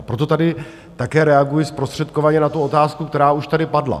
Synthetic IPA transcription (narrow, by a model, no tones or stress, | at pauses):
pɾo̞t̪o̞t̪adɪ | t̪akɛːɾɛaɡujɪspɾo̞st̪r̥ɛt̪̚kovaɲɛnat̪uo̞t̪aːskukt̪ɛɾaːuʃt̪adɪpadla̰